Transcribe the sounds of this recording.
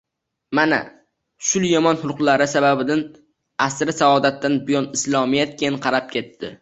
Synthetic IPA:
mana̰ | ʃʊljɒmɒnhʊlˠqlˠaɾɪsababɪd̪an | asɾɪsaɒd̪at̪ːanbʊjɒnɪslˠɒmijat̪̚kʲʰenqʰɑɾap̚kʲʰe̞t̪ʰːɪ̰

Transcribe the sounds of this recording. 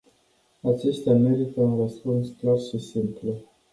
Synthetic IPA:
at͡ʃe̞st̪eame̞ɾit̪əunrəspunsklarʃisimplu

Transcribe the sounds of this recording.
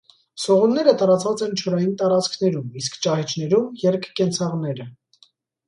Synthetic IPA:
sɔʁunːɛɾət̪ɑɾɑt͡svɑt͡sɛnt͡ʃʰɔɾɑjint̪ɑɾɑt͡skʰn̪ɛɾumiskʰt͡ʃɑhɛt͡ʃʰn̪ɛɾumjɛɾkʰːɛnt͡sʰɑʁnɛɾə

